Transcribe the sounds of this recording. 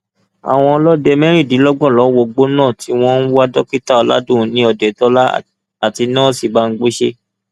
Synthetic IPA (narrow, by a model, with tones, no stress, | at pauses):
a̰˨w̃ɔ̃˧lɔ˦dɛ˧mɛ˦ɾ̃ĩ˦˨di˨˦lɔ˦ɡ͡bɔ̃˦˨lɔ˨˦wo˧˨ɡ͡bo˦nãː˦˨tʰi˨˦w̃ɔ̃˦n̩˦wu˦a˦dɔ˦ki˦ta˦˨ɔ˧˦la̰˦dũ˦˨˦nĩ˨˦ɔ˧dɛ˨tɔ˦la˦ | a˨ti˧nãː˦si˦˨ba˦n̩˦ɡ͡be˦ʃe˦